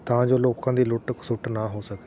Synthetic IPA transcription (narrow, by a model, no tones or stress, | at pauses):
t̪ãːd͡ʒoːloːkãːd̪iːlʊʈksʊʈnaːɦoːsəkd̪e